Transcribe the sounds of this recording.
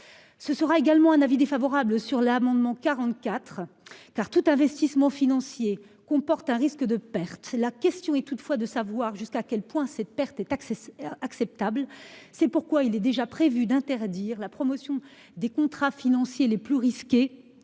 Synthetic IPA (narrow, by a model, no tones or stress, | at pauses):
səsəʁaeɡalmɑ̃ɛ̃navid̪efavɔʁabləsyʁlamɑ̃d̪mɑ̃kaʁɑ̃t̪kat̪χkaʁt̪ut̪ɛ̃vɛst̪ismɑ̃finɑ̃sje | kɔ̃pɔʁt̪ɛ̃ʁiskəd̪əpɛʁt̪lakʲɛst̪jɔ̃ɛt̪ut̪fwad̪əsavwaʁʒyskakʲɛlpwɛ̃sɛt̪̚pɛʁt̪ɛt̪aaksɛp̚t̪ablsɛpuʁkwailɛd̪eʒapχevyd̪ɛ̃t̪ɛʁd̪iʁlapχɔmɔsjɔ̃ | d̪ekɔ̃t̪χafinɑ̃sjeleplyʁiskʲe